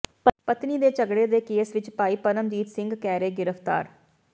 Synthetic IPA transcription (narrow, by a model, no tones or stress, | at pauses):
pət̪niːd̪eːt͡ʃəɡɽeːd̪eːkeːsʋɪt͡ʃpaːiːpəɾəmd͡ʒiːt̪sɪ̃ŋɡkɛːɾeːɡɪɾəpʰt̪a̰ːɾ